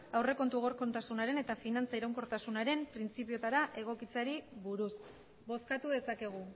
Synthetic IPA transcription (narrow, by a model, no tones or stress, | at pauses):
awre̞ko̞nt̪uɣ̞o̞ɾko̞nt̪asunaɾe̞ne̞t̪afinant͡saiɾawŋko̞ɾt̪asunaɾe̞mpɾint͡sipio̞t̪aɾaʔe̞ɣ̞o̞kit͡saɾiβuɾus | bo̞skat̪uðe̞sake̞ɣ̞u